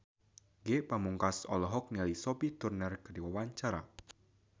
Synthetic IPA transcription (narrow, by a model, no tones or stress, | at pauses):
ɡepamuŋkasɔ̰lɔɦɔk̚nilisopiht̪urnərkərdiwawaɲt͡ʃaɾa̰